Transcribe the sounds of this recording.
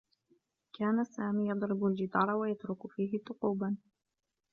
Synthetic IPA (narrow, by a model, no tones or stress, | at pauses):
kaːnasaːmiːjɑd̪ˤɾɪbald͡ʒɪt̪ˤɑːɾˤɑwajat̪ɾʊkʊfiːɦɪt̪ˤːʊquːban